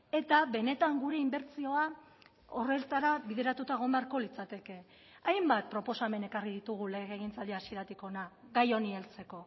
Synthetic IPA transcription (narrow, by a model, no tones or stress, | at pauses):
e̞t̪aβe̞ne̞t̪aŋɡuɾe̞imbe̞ɾt͡sio̞a | o̞re̞lt̪aɾaβiðe̞ɾat̪ut̪aeɣ̞o̞mbaɾko̞lit͡sat̪e̞ke̞ | ajmbat̪̚pɾo̞po̞same̞ne̞kariðit̪uɣ̞ule̞ɣɣeɣ̞int͡sald̪iasieɾat̪iko̞naɣajo̞nielt͡se̞ko̞